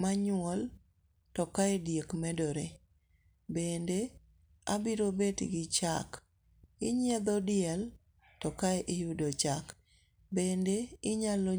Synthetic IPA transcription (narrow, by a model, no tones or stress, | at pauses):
maɲʊɔl | tɔkaedjekmɛdoɾe | bende | a̰biɾobetɡɪt͡ʃa̰k | ɪɲɪɛd̪ɔdɪɛl | tɔkaɛʔɪjudot͡ʃak | bendeɪɲalo